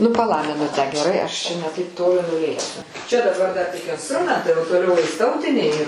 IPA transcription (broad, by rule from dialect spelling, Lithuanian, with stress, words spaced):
ˈnʊ pɐˈlˠɐ mʲɪˈnʊtʲæː ɡʲɛˈrɐɪ ˈɐʃ t͡ʃʲɛ nʲɛ ˈtɐɪp ˈtoːlʲɪ nʊˈlʲeːksʲʊ t͡ʃʲɛ dɐˈbɐr dɐr tʲɪk ɪnsˈtrʊmʲɛntɐɪ oː toːˈlʲɛʊ ɛɪs ˈtɐʊtʲɪnʲɛɪ